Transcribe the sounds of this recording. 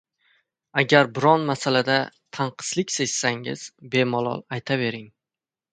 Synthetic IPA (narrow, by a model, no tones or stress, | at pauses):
aɡʲaɾbɪɾɒnmasalad̪at̪ʰaɴqʰɨ̥slɪkʲsed͡ʒsaŋɪ̰z̥be̞mɒlˠɒ̰lˠajt̪ʰave̞ɾɪŋ